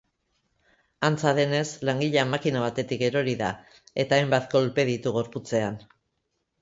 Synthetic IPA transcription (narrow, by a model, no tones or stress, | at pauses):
ant͡saðe̞ne̞slaŋɡiʎeamːakinaβ̞at̪e̞t̪ike̞ɾo̞ɾiða̰ | e̞t̪aːjmbat̪ko̞lpe̞ð̞it̪uɣ̞o̞ɾput͡se̞an